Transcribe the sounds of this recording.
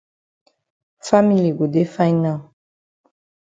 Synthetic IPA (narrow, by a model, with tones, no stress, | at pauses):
fa˦mi˨li˨ɡo˨de˦fa˦ĩ˦nã˦˨